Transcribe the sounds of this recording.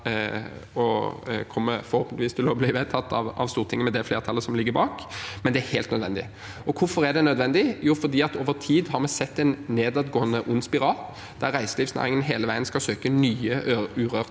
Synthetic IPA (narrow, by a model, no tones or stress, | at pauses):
ɔkʰɔmːə̰fɔɾʁhoːpnɪʋiːst̪ʰɪlɔbliːʋeːt̪ʰɑt̪ːɑ̰ʋɑ̰ʋst̪uːʁət̪ʰɪŋːmɛd̪ɛfleːʁt̪ʰɑlːəsɔmlɪɡːəbɑːkmɛnd̪ɛæheːlt̪nœd̪ʋɛnd̪ɪ̰ | ɔkʰʊfɔʁæʁd̪ɛnœd̪ʋɛnd̪ɪjuːfɔʁd̪iːɑt̪oːʋəʁt̪ʰiːd̪hɑʁmɛsɛt̪ːɛɪnːeːd̪ɑd̪ɡoːənəʔʊnːspɪʁɑːl | d̪̥æʁʁæɪsəlɪːʋsnæ̰ːʁɪŋənɦeːləʋæɪənskɑsøːkənyːəʉːʁøːʁ